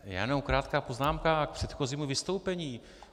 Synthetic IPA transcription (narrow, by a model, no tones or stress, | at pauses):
ja̰ːnowkɾaːt̪kaːpoznaːmkak̚pr̥ɛt̪xo̞ziːmuvɪst̪owpɛɲiː